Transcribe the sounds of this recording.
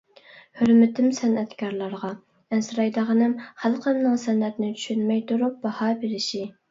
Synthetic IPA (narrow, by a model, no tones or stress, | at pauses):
høɾmɪt̪ʰɪmsɛnɛt̪kʲʰɑɾlˠɑɾʁɑ | ɛnsɾɑjd̪əʁənɨmχælˠqəmnɨŋsɛnɛt̪nɪt͡ʃʰy̥ʃynmɛjt̪ʰuɾup̚bɑhɑbeɾɪʃi